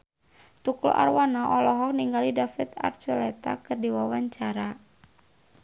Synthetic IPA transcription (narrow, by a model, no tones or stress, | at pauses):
t̪uklṵʔa̰rwanɔʔɔlɔɦɔk̚niŋɡalidafɪt̪a̰rt͡ʃɔlɛt̪a̰kɨrdiwawaɲt͡ʃaɾa